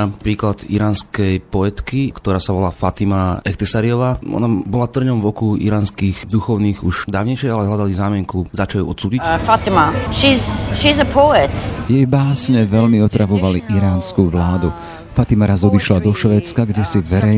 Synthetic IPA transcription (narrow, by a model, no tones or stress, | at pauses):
apɾiːklad̪ḭɾaːnskɛjpɔɛt̪kikt̪ɔɾaːsaʋɔlaːfat̪imaɛxt̪ɛsaɾiɔʋaːʔɔ̰nabɔlat̪r̩ɲɔmvɔkuḭɾaːnskiːxd̪uxɔʊniːɣuʃd̪aːʊɲɛjʃɪɛalɛɦʎad̪alizaːmɪɛŋkuzat͡ʃajṵɔt̪suːɟicfatɪməʃiz̥ʃizəpʰoɪtjɛjbaːsɲɛʋɛʎmiɔt̪ɾaʋɔʋaliʔiɾaːnskuʋlaːd̪u | fat̪imaɾazɔd̪iʃlad̪ɔʃʋɛːt͡skaɡɟɛsiʋɛɾɛ